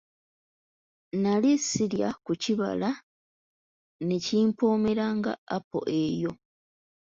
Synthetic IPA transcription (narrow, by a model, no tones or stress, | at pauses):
nalisilja̰kuciβa̰la | ne̞ciːmpuːmeɾaːŋɡa̰ːpo̞̰ʔe̞jo̞